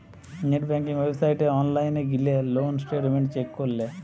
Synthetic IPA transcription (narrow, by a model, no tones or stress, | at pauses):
neʈbɛŋkiŋwebsajʈeɔnlajneɡilelonsʈeʈmeɳʈt͡ʃekːoɾle